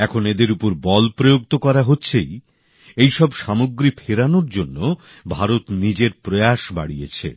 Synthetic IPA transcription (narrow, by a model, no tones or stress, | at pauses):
ɛkʰoned̪eɾupoɾbɔlpɾojoɡ̚t̪okɔɾaɦotːɕʰej | ejʃɔbʃamoɡɾipʰeɾanoɾd͡ʑonːo | bʱaɾot̪nid͡ʑeɾpɾojaʃba̰ɽijḛt͡ɕʰḛ